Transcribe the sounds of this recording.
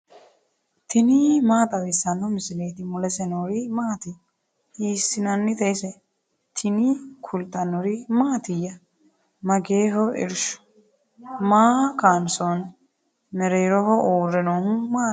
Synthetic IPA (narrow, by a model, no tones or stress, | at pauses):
t̪ʰɪnimaːt̪ɐwɪsɐnːɔmɪsɪleːt̪ɪmʊlɛsɛnoɾimaːt̪ɪ | iːsɪnɐnːɪt̪ɛsɛ | t̪ʰɪnikʰʊlt̪ɐnːɔɾimaːt̪ɪjːɐ | mɐɡeːɦɔʔɪ̰ɾʃʊ̥ | maːkaːnson | mɛɾeːɾɔhɔʔoːrːɛnoːhʊmaː